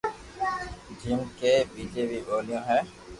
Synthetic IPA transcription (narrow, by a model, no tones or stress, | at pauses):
d͡ʒimkebid͡ʒebiɓoliɔ̃ɦɛ̃